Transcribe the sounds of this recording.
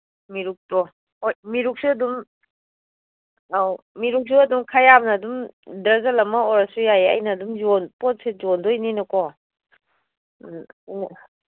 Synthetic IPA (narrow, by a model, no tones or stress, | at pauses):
miɾuk̚tɔ | hojmiɾuk̚suɐdum | aw | miɾuk̚suɐdumkʰajabnɐːdumdɾazalɐmɐɔɾɐsujajeɐ̰jnɐdumzonpɔt̚sezɔndɔininɐkɔ | jnɐ